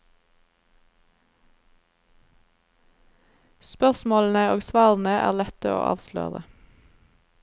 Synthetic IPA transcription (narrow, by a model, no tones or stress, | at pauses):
spœʁsmoːln̩əoːɡsʋɑːʁn̩əʔæ̰ːʁlɛt̪əo̰ːʔɑ̰ːʋslø̰ːʁə